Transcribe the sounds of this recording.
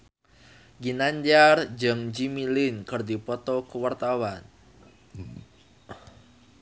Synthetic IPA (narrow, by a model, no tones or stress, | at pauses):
ɡinaɲd͡ʒard͡ʒəŋd͡ʒimilɪnkərd̪ipɔt̪ɔkəwart̪awan